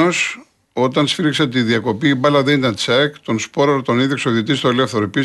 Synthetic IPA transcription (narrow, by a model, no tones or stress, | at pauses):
os | o̞t̪ɐnsfiɾikset̪iðiɐko̞piːbɐlɐðenit̪ɐnt͡sɐkt̪o̞nspo̞ɾɐɾot̪o̞niðjoksoðit̪̬ist̪oelefθeɾoepi